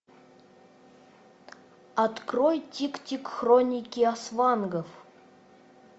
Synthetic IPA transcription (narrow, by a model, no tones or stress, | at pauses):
at̪krojtʲiktʲikxronʲɪkʲiasvanɡəf